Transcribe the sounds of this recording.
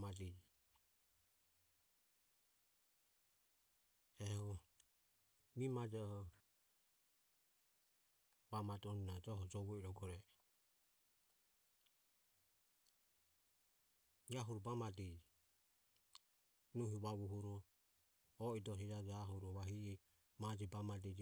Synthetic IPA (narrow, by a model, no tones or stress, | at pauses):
madid͡ʒ | ɛhɔ | mimad͡ʒɛhɔ | bamadɔnunad͡ʒɔɦɔd͡ʒɔβɔiɾɔɡɔɾɛ | d͡ʒaɦuɾɔbamadid͡ʒ | nuɦiβaβuɦuɾɔː | idɔsid͡ʒad͡ʒaɦuɾɔβaɦiɛ | mad͡ʒɛbamadid͡ʒ